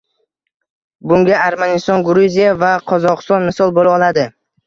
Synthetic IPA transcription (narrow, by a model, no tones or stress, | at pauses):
bʊŋɡʲaaɾmanɪst̪ɒnɡʊɾuzijavaqʰɒzɒqɨ̥st̪ɒnmɪsɒlˠbolˠaɒlad̪ɪ